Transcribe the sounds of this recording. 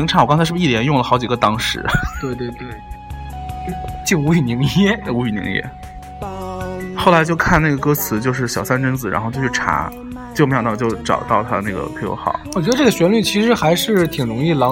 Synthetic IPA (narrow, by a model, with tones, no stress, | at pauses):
ŋʈ͡ʂʰwɔ˨˩kɑ˥ŋt͡sʰa˧˥ʂɻ̩˥˩i˥˩ljɛ˧˥njʊ˥˩ŋlə˩xɑ˧˥ʊt͡ɕi˨˩ɡə˧˩t̪ɑ˥ŋʂɻ̩̰˧˥t̪we˥˧ɪt̪we˥˧ɪt̪we˥˩ɪ˥ | t͡ɕi˥˩nu˧˥y˧˩ni˧˥ŋjɛ˥˩u˧˥y˨˩nḭ˧˥ŋjɛ̰˥ | xo˥˩ʊla˧˥ɪt͡ɕjo˥˧ʊkʰa˥˧na˥˩ɡə˩kɤ˥t͡sʰɹ̩˧˥t͡ɕjo˥˧ʊʂ̬ɻ̩˥˩ɕjɑ˨˩ʊsa˥nʈ͡ʂə˥nd͡zɹ̩˨˩ɻa̰˧˥xo˥˧t͡ɕjo˥˧ʊt͡ɕʰʈ͡ʂʰa̰˧˥ | t͡ɕjo˥˩ʊme˥jt̪ɑ˥˧˩ʊt͡ɕjo˥˧ʊʈ͡ʂɑ̰˨˩ʊt̪ɑ˥˧ʊt̪ʰa˥˧na˥˩ɡə̰˩pʰjo̰˧˥ʊxɑ̰˨˩˦ʊwɔ˨˩t͡ɕɥɛ˧˥d̪ə˧ʈ͡ʂɤ˥˩ɡə˩ɕɥɛ˧˥nly˥˩t͡ɕʰi˧˥ʂɻ̩˧˥xa˧˥ɪʂɻ̩˥˩t̪ʰi˨˩ŋɻʊ˧˥ŋi˥˩lɑ˧˥